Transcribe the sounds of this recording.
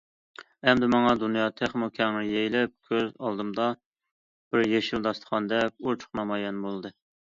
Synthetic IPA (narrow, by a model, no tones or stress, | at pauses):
ɛmd̪ɪmɑŋɑd̪unjɑt̪ʰeχmokʲʰɛŋɪjejlɛp̚kʲʰøzɑlˠd̪ɨmd̪ɑ | b̥ɪɾjeʃild̪ɑst̪ə̥χʰɑnd̪ɛk̚ʲuɾt͡ʃʰʊ̥χnɑmɑjɛnbolˠɨd̪ɨ